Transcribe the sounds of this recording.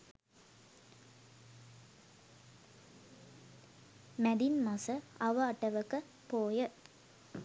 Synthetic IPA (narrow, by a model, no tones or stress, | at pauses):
mæd̪inmasəɐʋəaʈəʋəkə | poːjə